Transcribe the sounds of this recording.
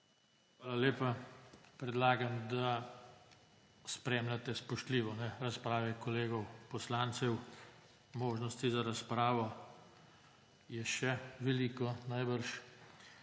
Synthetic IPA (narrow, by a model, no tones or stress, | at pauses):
xʋaːlaleːpapɾɛd̪laːɡamd̪a | spɾeːmlʲat̪ɛspɔʃt̪liːʋɔnɛɾaspɾaːʋɛkɔleːɡɔwpɔslaːnt̪sɛw | moːʒnɔst̪izaɾaspɾaːʋɔ | jɛʃɛʋɛliːkɔnajbəɾʃ